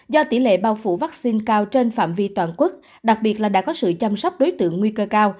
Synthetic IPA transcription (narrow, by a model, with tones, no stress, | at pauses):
zɔ˧t̪ḭ˧˩lḛ˧˨ɓaː˧wfṵ˧˩vaː˦˥k̚si˧nkaː˧wt͡ɕe˧nfa̰ː˧˨mvi˧t̪waː˧˨nkwu˦˥k̚ | ɗa˨˩k̚ɓi˨˩ət̚laː˨˩ɗa̰ː˧˥kɔ˨˦sɨ̰˧˨t͡ɕa˧msa˦˥wk͡p̚ɗo˨˦jt̪ɨ̰˧˨əŋːwi˧kəː˧kaː˧w